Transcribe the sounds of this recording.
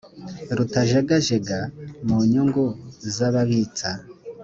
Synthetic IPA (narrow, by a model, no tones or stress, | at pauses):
ɾutaʒaɡaʒeɡamuɲuŋɡuzaβaβit͡sa